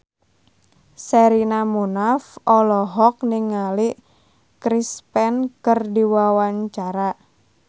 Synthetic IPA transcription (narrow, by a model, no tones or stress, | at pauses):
sɛɾinamunafɔlɔɦɔk̚niŋːaliʔ | kɾispɛnkərdiwawaɲt͡ʃaɾa